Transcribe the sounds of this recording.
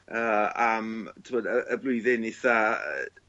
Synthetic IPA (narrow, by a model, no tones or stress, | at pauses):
əːamtʰmɔːdəʔəblˠʊɨðɪnɪθaə̰